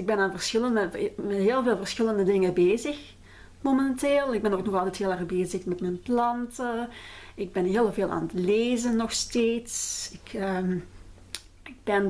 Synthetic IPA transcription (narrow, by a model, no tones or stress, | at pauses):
ɪɡ̚bɛnaːnvərsxɪlənəmɛtɦeːlˠveːlˠvərsxɪləndədɪŋəbeːzəx | momɛnteːlˠɪɡ̚bɛnoːknɔxɑlˠtɛtɦeːlˠɛːɣbeːzəxmɛtmɛnplɑntəɪɡ̚bɛnɦeːlˠveːlˠʔa̰ːnətleːzənːɔxsteːtsɪkəm | ɪɡ̚b̥ɛn